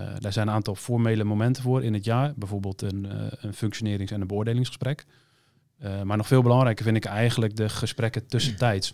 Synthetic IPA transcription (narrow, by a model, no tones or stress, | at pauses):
dɛɹzɛjnənaːntɔlˠfoɹmeːləmomɛntəfoːɾɪnətjaːbɛjvoːɹbeːlˠtʰənənføŋksjonɪːɾɪŋsɛnənbəoədeːlɪŋsəsprɛk | maɹnɔxfeːlˠbəlɑŋɾɛjkəvɪndɪkɛjɣənlək̚dəxəsprɛkətɵsəntɛjts